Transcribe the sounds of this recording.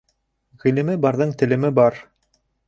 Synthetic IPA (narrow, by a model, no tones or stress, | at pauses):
ʁilɘ̆mɘbɑɾðɤɴt̪ɘ̆lɘ̆mɘbɑɾ